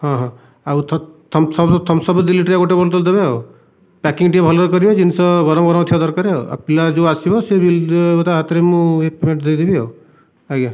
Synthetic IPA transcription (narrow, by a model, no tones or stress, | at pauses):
ɦɔ̃ɦɔ̃ | awt̪ʰt̪ʰmsɔbt̪ʰɔmsɔbd̪iliʈɾjaɡoʈebɔlt̪ɔld̪ebeɦo | pɛkiŋɡʈiebʱɔlɔɾkɔɾibɔd͡ʒinisɔ̃ɡɔɾɔmɡɔɾɔmt̪ʰiad̪ɔɾkaɾeɦoa̰pilad͡ʒoasibɔsebilɔt̪aɦat̪iɾemũepemeɳʈd̪ejd̪ibiɦo | aɡa